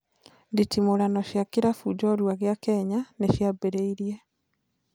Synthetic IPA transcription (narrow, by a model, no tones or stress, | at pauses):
nditimoɾanɔʃjakeɾafud͡ʒɔɾwaɣeakɛɲaneʃjabeɾeiɾiɛ